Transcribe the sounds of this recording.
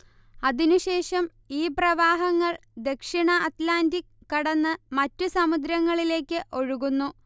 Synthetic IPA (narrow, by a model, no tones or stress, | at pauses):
ɐðinuɕe̞ːʂɐm | iːprɐʋaːɦɐŋːɐɭd̪e̞kʂiɳɐʔɐt̪laːndikːɐɽɐnːɨmɐtːusɐmud̪ɾɐŋːɐɭile̞ːkʲːɨʔo̞ɻuɣunːu